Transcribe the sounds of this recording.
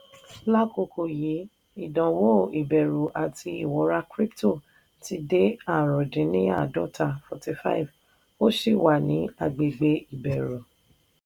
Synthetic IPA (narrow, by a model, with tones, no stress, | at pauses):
la˦ko˨ko˨ji˨˦ | i˦˨dã˨wo˦˨i˨bɛ˨ɾu˨ʔa˨tʰi˧i˨wɔ˨˦ɾa˦kɾi˦pto˦˨ | ti˧de˦a˦˨ɾ̃ɔ̃˨d͡ʒĩ˨˦nĩ˦a̰˦˨dɔ˦tʰa˧fɔ˨ti˧fa̰˦i˨v | o˦ʃi˦˨wa˨nĩ˨˦a˦˨ɡ͡be˨ɡ͡be˧i˨bɛ˨ɾu˨